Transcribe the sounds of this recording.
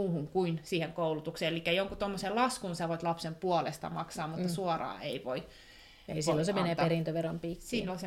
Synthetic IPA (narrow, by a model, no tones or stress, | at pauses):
uːhuŋkuinsiːheŋkoulut̪ukseːelikːæjoŋkut̪omːoselɑskunsɑʋoit̪lɑpsempuolḛst̪ɑ̰mɑksɑːmmut̪ːɑsuɔrɑ̰ːeiʋoi | ḛisilːosemeneːˑp̪ɑerint̪øʋerompitsilːolʲse